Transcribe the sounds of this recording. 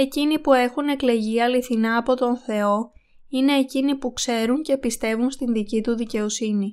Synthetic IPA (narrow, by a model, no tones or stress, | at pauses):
e̞cinipue̞xune̞kle̞ʝiɐliθinɐːpo̞t̪o̞nθe̞o̞ | ine̞ːcinipukse̞ɾuɲce̞pist̪e̞vunst̪inðicit̪uðice̞o̞sini